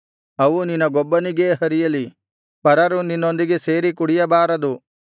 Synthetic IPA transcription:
ɐʋuninːɐɡɔbːɐniɡe̞ːɦɐɾijɐli | pɐɾɐɾuninːo̞nd̪iɡe̞se̞ːɾikuɽijɐbaːɾɐd̪u

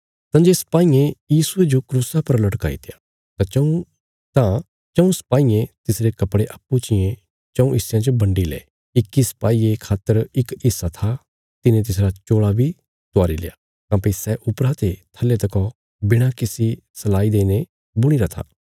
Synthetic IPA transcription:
t̪ãːd͡ʒeːsɐ̥paːiẽjiːsued͡ʒokɾuːsapɐɾlɐʈka̰ːḭt̪ʰɪja | t̪ãt͡ʃũ | t̪ã | t͡ʃɐũsɐ̥paːiẽt̪ɪsɾekɐpɽeʔɐpːut͡ʃɪjẽ | t͡ʃɐ̃ũʔɪsjãt͡ʃbɐ̃ɳɖilɛ̰ː | ɪkːisɐ̥paːiekʰaːt̪ːəɾɪkɪsːat̪ʰa | t̪ɪnẽt̪̬ɪs̬ɾat͡ʃoːɭabʱi | t̪ʊaːɾilḛja | t̪ãːpisɛʔʊpɾat̪et̪ʰɐlːet̪ɐkɔ | bɪɽ̃akɪsi | sɐlaːid̪eːne | bʊɽ̃iɾat̪ʰa̰ː

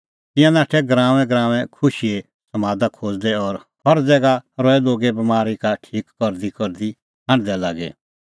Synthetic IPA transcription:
t̪ɪ̃jãnaːʈʰɛɡɾãːʋɛ̃ɡɾaːʋɛ̃kʰʊʃie | sɐmaːd̪akʰoːd͡zd̪ɛɔɾ | hɔɾd͡zɛːɡaɾɔːɛloːɡebɐmaːɾikaʈʰiːkːɔɾd̪ikɔɾd̪i | hãɳd̪ɛlaːɡɛ̰

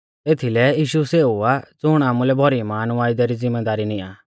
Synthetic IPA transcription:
t̪eːt̪ʰilɛjiːʃuseːuat͡sʊɽ̃aːmulɛbʱɔɾimaːnʋaːɪd̪aɾid͡zɪmːɛd̪aːɾinia̰ː

